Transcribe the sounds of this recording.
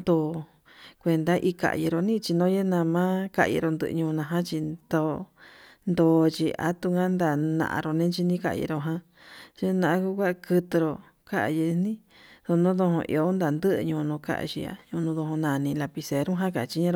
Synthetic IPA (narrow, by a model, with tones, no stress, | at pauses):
nd̪o˧˨ | kʷe˧nd̪a˦ʔi˧ka̰˨ji˧ɾo˧nĩ˦t͡ʃi˧nõ˦je˦nã˧mã˦ka̰˦ʔjḭ˧ɾo˧nd̪ɨ̰˧ʔɲũ˧nã˧ɦã˦t͡ʃi˧d̪o˧ | nd̪oː˧˨t͡ʃi˧a̰˧t̪u˧ŋɡã˦nd̪a˧˨nã̰˧ʔa̰˧ɾo˧nẽ˦t͡ʃi˧nĩ˦ka̰˧jḭ˧ɾo˧ɦã˧˦ | t͡ʃe˦nã˧ʔã˧ku˦kʷa˦˧kɨ˧t̪ɨ˧ɾo˧ | ka˦ʔa̰˨ji˧nĩ˦ | ðo˧nõ˦ðõ˧hõ̰˧ʔḭ˧o˧˦nd̪a˨nd̪ɨ˦ʔɲũː˧nõ˧ka̰˦ʔa̰˧ʃḭ˧a̰˧ɲũ˧nũ˧ðo˧hõ˧nã˨nĩ˧la˧pi˧se˨ɾũ˦ɦã˦ka˨˧t͡ʃi˧ɲã˦ɾo˧˨